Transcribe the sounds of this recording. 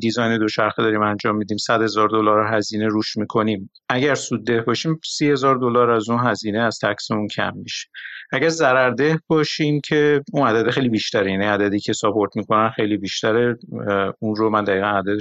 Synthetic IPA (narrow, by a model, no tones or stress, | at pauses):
d̪izɒjned̪o̞ʃæɾxed̪ɒːɾiːmænd͡ʒɒːmːid̪iːmsæd̪̥he̞zɒːɾd̪o̞lɒːɾɦæziːne̞ɾuːʃmiːkʰo̞niːm | ʔæɟæɾsuːd̪ːe̞hbɒːʃiːmsiːhe̞zɒːɾd̪o̞lɒːɾæzunɦæziːneæz̥t̪ʰæcse̞muncʰæ̰mːiʃe̥ʔæɟæɾzæɾæɾd̪e̞hbɒːʃiːmcʰe̞unæd̪æd̪exejlibiʃt̪æɾejæniæd̪æd̪iːcʰe̞sɒpʰo̞ɾt̪ʰmiːkʰo̞nænxe̞jliːbiːʃt̪æɾe | unɾomænd̪æɣiːɣænæd̪æd̪e